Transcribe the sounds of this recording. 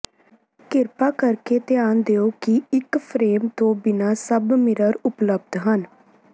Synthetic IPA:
kɪɾpaːkəɾkeːt̪ɪjaːnd̪eːoːkɪɪkpʰɾeːmt̪õːbɪnaːsəbmɪɾəɾʊpləb̚d̪ɦən

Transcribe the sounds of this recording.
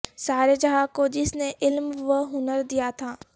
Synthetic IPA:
saːɾed͡ʒɐɦaːkod͡ʒɪsneʔɪlmʋəɦʊnəɾd̪ijat̪ʰaː

